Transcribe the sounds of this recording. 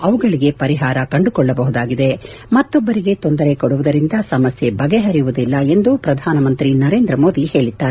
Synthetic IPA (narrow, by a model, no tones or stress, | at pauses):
ɐʋuɡɐɭiɡe̞pɐɾiɦaːɾɐkɐɳɖukɔɭːɐbɐɦud̪aːɡid̪e̞ | mɐt̪ːɔbːɐɾiɡe̞t̪ond̪ɐɾe̞kɔɽuʋud̪ɐɾind̪ɐsɐmɐsjebɐɡeɦɐɾijuʋud̪ilːɐe̞nd̪upɾɐd̪ʱaːnɐmɐnt̪ɾinɐɾe̞ːnd̪ɾɐmo̞ːd̪ihe̞ːɭit̪ːaːɾe